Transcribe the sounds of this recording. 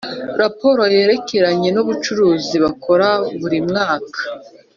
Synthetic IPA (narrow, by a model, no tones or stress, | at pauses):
ɾapo̞ɾo̞je̞ːɾe̞ke̞ɾaɲe̞nuβut͡ʃuɾuːziβakʰo̞ɾaβuɾimŋaːkʰḁ